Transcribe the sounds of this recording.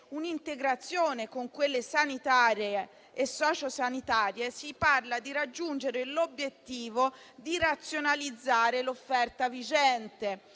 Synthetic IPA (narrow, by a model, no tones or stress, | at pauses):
unint̪eɡɾat̪sːjoːnekoŋkwelːesanit̪aːɾjeː | sːɔːt͡ʃosanit̪aːɾjesiparlad̪iɾad͡ʒːund͡ʒeɾelobːjet̪ːiːvo | d̪iɾat̪sːjonalid̪zːaːɾelofːɛrt̪avid͡ʒɛnt̪e